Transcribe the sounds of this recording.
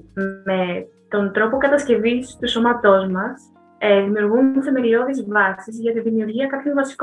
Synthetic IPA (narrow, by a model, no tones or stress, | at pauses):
e | t̪o̞nt̪ɾo̞po̞kɐt̪ɐsce̞vist̪uso̞mɐt̪o̞zmɐs | ðimiuɾɣunθe̞me̞lio̞ðezvɐsizʝɐt̪iðimiuɾʝiɐkɐpçoɱvɐsi̥k